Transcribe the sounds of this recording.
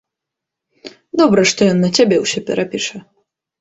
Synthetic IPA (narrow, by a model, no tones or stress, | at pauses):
d̪ɔbɾɐʂt̪ɔjɔnːɐt͡sʲabʲɛwsʲɔpʲɛ̰ɾʔapʲiʂɐ